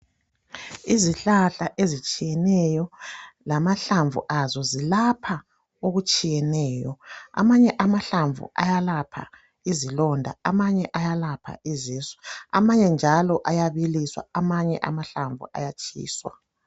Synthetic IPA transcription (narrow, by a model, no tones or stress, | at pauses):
iziɬaɬaʔezit͡ʃʼijɛnɛjɔlamaɬaɱvṵʔazɔzilapʰa | oɣut͡ʃʼijɛnɛːjɔa̰maɲɛʔamaɬaɱvṵa̰jalapʰa̰ | izilɔndʱa̰amaɲɛʔajalapʰa̰iziːsɛ̥a̰maɲɛnd͡ʒʱalɔʔajaβiliswa̰amaɲɛ̰ʔa̰maɬaɱvṵʔa̰jat͡ʃʼḭːswa̰